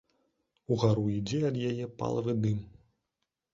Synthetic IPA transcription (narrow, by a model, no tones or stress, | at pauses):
uɣaɾuid͡zʲɛɐd̪jajɛpa̰lˠɐvɨd̪ɨm